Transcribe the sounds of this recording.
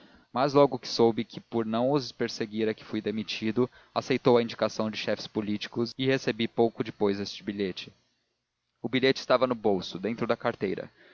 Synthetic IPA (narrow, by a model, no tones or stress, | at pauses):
mazlɔɡʊkɪ̥sowbɪkʰɪpʊɾnɐ̃w̃ʊspeɾseɡiɾɐkɪ̥fujd̪emit͡ʃid̪ʊ | asejt̪owɐĩnd͡ʒikasɐ̃w̃d͡ʒɪʃɛfɪ̥spolit͡ʃi̥kʊzɪhesebipowkʊd͡ʒɪpojzest͡ʃɪbiʎet͡ʃɪ̥ | ʊbiʎet͡ʃɪst̪avɐnʊbowsʊd̪ẽnt̪ɾʊd̪ɐkaɾt̪ejɾɐ̰